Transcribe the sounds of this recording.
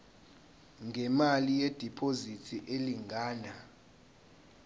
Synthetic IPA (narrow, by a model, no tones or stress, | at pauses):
ŋʱɛmalijed̥ʱipʰozitʰiʔeliŋɡʱaːna